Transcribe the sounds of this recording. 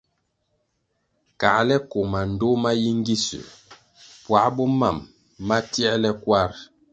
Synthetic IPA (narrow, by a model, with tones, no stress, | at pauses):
ka̰˨lɛ˦ko˨ma˨n̩˨do˦ma˦ji˦ŋ˦ɡi˦sʉ̰˨ | pwa˨˦bɔ˦ma˨mː | a˦tjɛ˦lɛ˦kwa˦ɾ